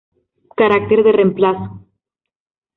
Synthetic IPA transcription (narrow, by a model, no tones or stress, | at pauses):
kaɾak̚t̪eɾðe̞re̞mplaso̥